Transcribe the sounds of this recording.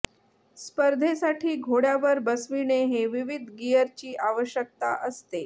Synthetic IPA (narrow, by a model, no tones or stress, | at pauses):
spəɾd̪ʱesaʈʰiːɡʱoɽjaʋəɾbəsʋiɽ̃eɦeʋiʋid̪ʱɡijəɾt͡ɕiːʔaʋəɕjək̚t̪a̰ʔəst̪e